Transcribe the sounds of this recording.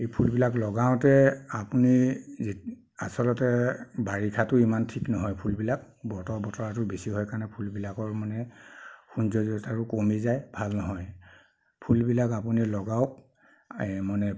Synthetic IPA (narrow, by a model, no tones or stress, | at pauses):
ejpʰulbilaklɔɡaʊ̃tɛapuniz | a̰sɔlɔtɛbaɹikʰatʊimantʰiknɔɦɔjpʰulbilak | bɔtɔɹbɔtɔɹatʊbesiɦɔjkaɹnɛpʰulbilakɔɹmanɛxunzɔzɔtaɹʊkomizajbʱalnɔɦɔj | pʰulbilakap̬unilɔɡaʊk̚ | manɛ